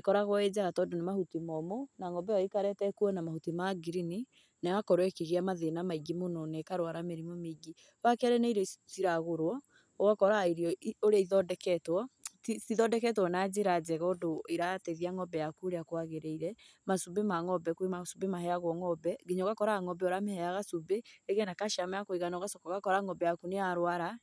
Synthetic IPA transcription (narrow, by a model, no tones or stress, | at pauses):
ekɔɾaɣwɔed͡ʒaɣatɔːndonemahutimɔmonaŋɔbɛɔikaɾɛtɛkuɔnamahutimaɡiɾini | nɛakɔɾwɛkiɣiamaðenamaiɡimononekaɾwaɾameɾimomeɡi | wakaɾeneiɾesiɾaɣoɾwɔ | oɣakɔɾaiɾiɔioɾeɔiðɔdɛkɛtwɔtisiðɔdɛkɛt̬wɔnad͡ʒeɾad͡ʒɛɣɔdoiɾatɛðiaŋɔbɛjakuoɾeakowaɣeɾeiɾɛmasubemaŋɔbɛkemasubemahɛaɣwɔŋɔbɛɡeɲɔɣakɔɾaŋɔbɛoɾamehɛaɣasubeeɣɛnakaʃamaakoiɣanaoɣasɔkɔɣakɔɾaŋɔbɛjakuneaɾwaɾa